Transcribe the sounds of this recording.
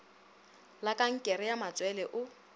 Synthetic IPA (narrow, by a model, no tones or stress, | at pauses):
lakʼaŋ̩kʼɛɾɪjamat͡sʼwɛlɛʔʊ